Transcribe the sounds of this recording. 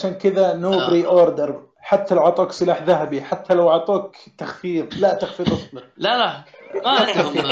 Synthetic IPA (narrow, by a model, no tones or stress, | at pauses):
aʃaːnkɪðanoːbɾiːʔoːɾd̪ɑɾˤ | ħat̪ːalawʕɑʕt̪ˤuːksˤɨlaːħðaɦabiħat̪ʰːalawɑʕt̪ˤuːk | t̪axfiːðlat̪axfiːɾʔɨsˤbɪlaaaaa